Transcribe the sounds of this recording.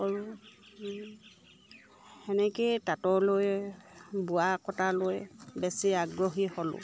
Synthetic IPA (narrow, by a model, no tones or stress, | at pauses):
ɔɹu | hɛnɛketatɔloj | bʊakɔtalojbɛsiaɡɹɔɦihɔlʊ̰